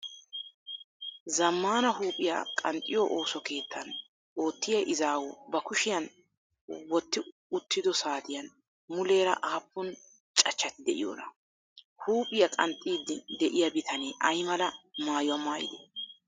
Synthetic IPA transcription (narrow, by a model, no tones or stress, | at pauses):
zɐmːaːnɐɦuːpʼɪja̰kʼɐnt̪ʼːɪjɔʔoːsɔke̞ːt̪ʰːɐn | ʔo̞ːt̪ːɪjɐʔɪzaːwɔbɐkʊʃɪjɐn | wɔt̪ːɪʊt̪ʰːɪd̪ɔsaːt̪ɪjɐn | mʊle̞ːɾɐʔaːpːʊn | t͡ʃʼɐt͡ʃːɐt̪ɪd̪ɛʔɪ̰jo̰ːɾɐ | huːpʼɪjɐkʼɐnt̪ʼiːd̪ːɪd̪ɛʔɪjɐbɪt̪ʰɐneːʔɐjmɐlɐmaːjʊwɐmaːjɪ̰d̪e